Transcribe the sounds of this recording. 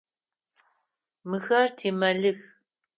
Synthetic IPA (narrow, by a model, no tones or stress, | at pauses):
mɨɣɐrtʰeːmɐɮɨɣ